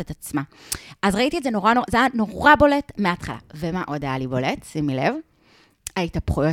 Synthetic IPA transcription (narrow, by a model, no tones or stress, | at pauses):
etat͡smaʔazʁaitietzeno̞ʁanoʁazejano̞ʁabo̞le̞tmeatχala̰vemaʔo̞dajalibo̞letsimilev | aitapχujo